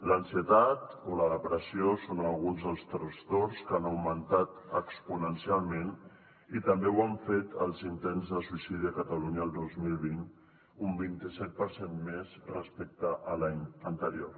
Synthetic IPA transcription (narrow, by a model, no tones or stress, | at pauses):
lənsiət̪at̪oləðəpɾəsiosonəlˠɣunzðəlˠst̪ɾəst̪oɾskanəwmənt̪at̪əkspunənsialˠmen | it̪əmbewaɱfet̪əlˠzint̪enzðəsuisiðiəkət̪əluɲəːlˠd̪ozmilˠβin | umbint̪isɛt̪̚pəɾsenmezrəspek̚t̪əʔəlaɲənt̪əɾio̰